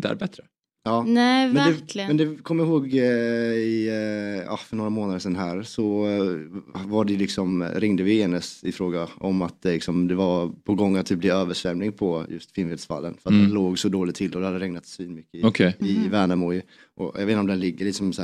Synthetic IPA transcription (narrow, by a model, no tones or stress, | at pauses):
t̪əæ̰ɾbɛt̪ɾə | ɑːnɛmɛnd̪ɛlmɛnd̪ɛkʰɔmːəjaɦoːɡ | ɪ | ɑ̰hfœɳoːɾamoːnad̪əʂɛnːɦæːɾsɔ | vaɖɛlɪksɔmɾɪŋd̪əvɪeːnəsɪfɾoːɡaɔmːat̪̚d̪ɛlɪksɔmd̪ɛvapʰɔɡɔŋːat̪̚ʰːiːblɪøːvəʂvɛmnɪŋpʰɔjɵ̰st̪fɪnveːd̪sfa̰lːə̰nfœɾat̪̚d̪ɛnloːɡsɔd̪oːlɪɡt̪ʰɪlːɔd̪ɛhad̪ːəɾɛŋnat̪sviːnmʏkːəɪɔkʰɛɪvæːɳamɔj | ʔɔ̰j̰veːt̪nɔmd̪ɛnlɪɡːəɭɪk̪sɔmsɛ